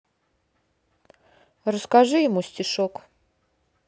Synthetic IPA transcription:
rəskaʐɨjɪmusʲtʲɪʂok

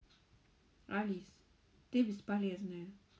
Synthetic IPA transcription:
alis | t̪ebispaleznɛ

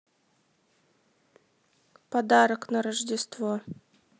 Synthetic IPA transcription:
pɐd̪aɾəknɐɾəʐdʲɪst̪vo

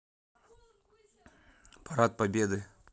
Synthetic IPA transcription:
pʰaɾat̪̚pɐbʲed̪ɨ

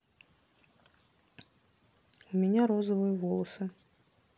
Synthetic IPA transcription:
umʲɛnʲaɾɔzəvɨjɐvɔlˠɐsɨ

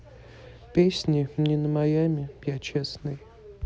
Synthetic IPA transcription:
pʲesʲnʲɪmnʲinəmajamʲɪjat͡ɕesnɨj

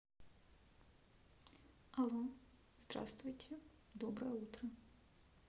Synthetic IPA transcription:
alˠɔ | zd̪ra̰st̪vujtʲʰɛ | d̪ɔbɾɐjɛut̪ɾɐ

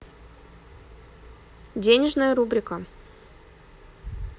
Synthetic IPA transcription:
dʲenʲɪʐnəjəɾubɾʲɪkə

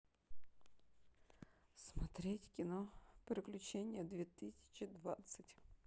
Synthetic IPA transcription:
smɐt̪ɾʲetʲkʲɪnɔpʲeɾʲɪklʲʊt͡ɕenʲːjəd̪ʋʲet̪ɪsʲɪ̥t͡ɕɪd̪ʋat̪sətʲ

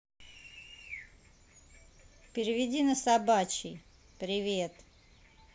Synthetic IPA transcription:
pʲɪɾʲɪvʲɪdʲinəsabat͡ɕḭj | pɾʲɪvʲet̪

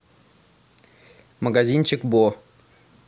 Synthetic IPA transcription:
məɡazʲinʲt͡ɕɪkbo

